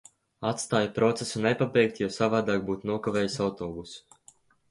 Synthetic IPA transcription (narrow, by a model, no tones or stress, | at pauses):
at̪st̪aːjapɾɔt̪sesunɛpabɛjk̚t̪jawsavaːd̪aːk̚buːt̪nuɔkaveːjisawt̪oːbusu̥